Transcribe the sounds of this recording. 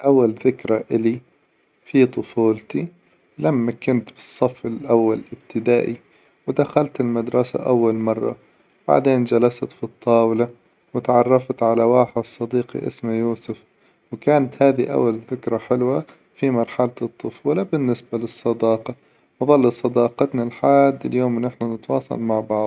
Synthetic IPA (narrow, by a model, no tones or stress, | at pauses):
ʔawːalðɪkɾˤaʔɪli | fit̪ˤʊfuːlt̪i | lamːakʊnt̪b̥ɨ̥sˤːɑfɪlʔawːalʔɪbt̪ɪd̪aːʔi | wɪd̪axalt̪ɪlmad̪ɾˤɑsa̰ʔawːalmɑrˤːɑ̰ | b̥a̰ʕd̪eːnd͡ʒalast̪fit̪ˤːɑːwla | wɪt̪ʕɑrˤːɑft̪ʕalawaːħsˤːɑd̪iːqḭʔɪ̰smajuːsʊf | wkaːnat̪haːðiʔa̰wːalðɪkɾˤɑħɪlwa | fimɑɾˤħalaɨt̪ˤːʊfuːlabɪnːɪsbalɨsˤːɑd̪ɑːqɑ | ʔɑðˤɑlːɑsˤɑd̪ɑːqɑt̪nalħaːd̪ːɪljoːmnɪħnanɪt̪wɑ̰ːsˤɑ̰lmaʕbɑʕ